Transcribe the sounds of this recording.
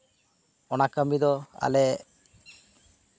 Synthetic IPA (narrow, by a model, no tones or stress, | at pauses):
ɔnakamid̪ɔa̰le